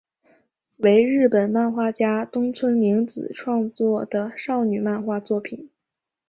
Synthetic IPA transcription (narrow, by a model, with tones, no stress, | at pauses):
we˧˥ɪɻɻ̩˥˩pə˨˩nma˥˧nxwa˥˩t͡ɕja˥t̪ʊ˥ŋt͡sʰwə˥nmi˧˥ŋt͡sɹ̩˨˩ʈ͡ʂʰwɑ˥˧ŋt͡swɔ˥˩d̪̥ə˩ʂɑ˥˩ʊny˨˩ma˥˧nxwa˥˧t͡swɔ˥˩pʰi˨˩˦n